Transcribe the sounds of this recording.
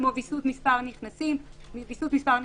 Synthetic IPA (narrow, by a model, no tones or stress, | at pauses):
movisut̪mispaʁniχnasimvisut̪mispaʁn